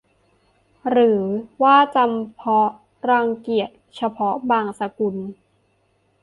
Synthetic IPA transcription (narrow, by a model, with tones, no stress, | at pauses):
ɾɯː˩˦waː˥˩t͡ɕa˧mpʰɔ˦˥ | ɾaː˧ŋki˨˩ət̪̚t͡ɕʰa˧pʰɔ˦˥baː˧ŋsa˧ku˧n